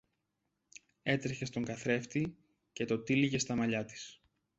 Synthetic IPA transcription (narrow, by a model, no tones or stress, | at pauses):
e̞t̪ɾeçe̞st̪o̞ŋɡɐθɾe̞ft̪i | ce̞t̪o̞t̪iliʝe̞st̪ɐmɐʎɐt̪i̥s